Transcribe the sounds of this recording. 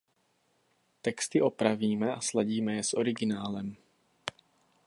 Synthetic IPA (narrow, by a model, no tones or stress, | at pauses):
t̪ɛkst̪ɪʔo̞pɾaviːmɛaslaɟiːmɛjɛsʔoɾɪɡɪnaːlɛm